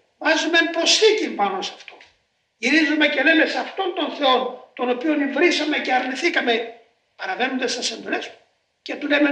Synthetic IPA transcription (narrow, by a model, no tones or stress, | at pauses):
vɐzumeenpɾo̞sθicinpɐno̞sɐ̥ft̪o̞ | ʝiɾizume̞celelesɐft̪o̞nt̪o̞nθe̞o̞nt̪o̞no̞pio̞nivɾisɐme̞ceɐɾniθikɐme̞ | pɐɾɐvenond̪est̪esend̪oles | cet̪uleme